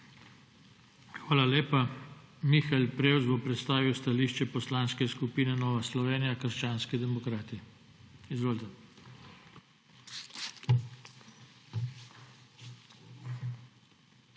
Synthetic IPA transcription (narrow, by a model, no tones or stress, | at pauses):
xʋaːlaleːpa | mixalpɾeːwzbɔpɾɛt̪st̪aːʋiwst̪aliʃt͡ʃɛpɔslaːnskɛskupiːnɛnɔːʋaslɔʋeːnijakəɾʃt͡ʃaːnskid̪ɛmɔkɾaːt̪i | izʋoːlt̪ɛ